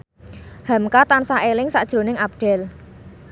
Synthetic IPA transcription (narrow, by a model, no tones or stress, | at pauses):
ha̤mkat̪ansaʔelɪŋsaʔd̥ʒ̥ɾo̤nɪŋap̚ɖ̥ɛ̤l